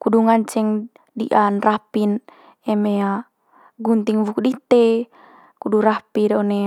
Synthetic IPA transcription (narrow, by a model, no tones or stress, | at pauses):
kuduŋant͡ʃɛŋ | diʔanrapin | ɛmea | ɡunt̪iŋvukdit̪e | kuduɾapidone